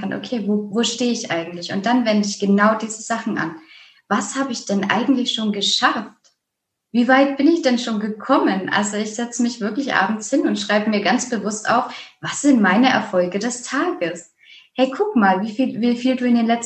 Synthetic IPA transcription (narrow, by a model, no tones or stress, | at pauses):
anʔo̰kʰeːvoːvoːʃteːɪçʔa̰ɪɡŋ̩tlɪçʊnt̚d̥anvɛndəɪçɡ̥ənaʊdiːzəz̥aχn̩ʔa̰n | vashaːbəɪçd̥ɛnʔa̰ɪɡŋ̩tlɪçʃoːnɡəʃaft | v̥iːvaɪt̚b̥ɪnɪçd̥ɛnʃoːnɡəkʰɔmənʔa̰lzoɪçz̥ɛt͡səmɪçv̥ɪɐklɪçʔa̰ːbm̩t͡shɪnʊntʃʁ̥aɪbəmiːɐɡant͡sb̥əvʊstʔa̰ʊfv̥asz̥ɪntmaɪnəʔɛ̰ɐfɔlɡədɛstʰaːɡəs | hɛɪkʰʊkmaːlviːfiːlviːfiːlduːɪndeːnlɛt͡s